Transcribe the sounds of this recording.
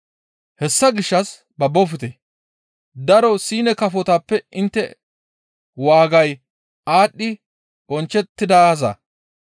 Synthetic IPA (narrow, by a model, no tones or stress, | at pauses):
hɛsːɐɡɪʃːɐs | bɐbːɔfɪt̪e | d̪ɐɾɔsiːnɛkɐfɔt̪aːpːɛɪnt̪ːɛ | waːɡɐj | aːɗːɪ | bɔnt͡ʃːɛt̪ːɪd̪azɐ̰